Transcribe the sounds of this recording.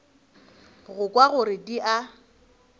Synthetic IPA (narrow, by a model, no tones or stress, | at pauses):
ɣʊkʼwaɣʊɾɪdiʔa